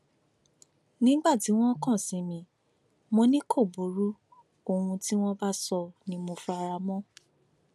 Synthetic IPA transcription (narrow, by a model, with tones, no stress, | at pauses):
nĩ˦ɡ͡ba˦˨ti˨˦w̃ɔ̃˦kɔ̃˦˨sĩ˨˦mĩ˧ | mo˧nĩ˦kʰo˦˨bo˨˦ɾu˦ | o˧wũ˧ti˦w̃ɔ̃˦ba˦sɔ˧nĩ˧mo˧fu˧˦a˧ɾa˧mɔ̃˦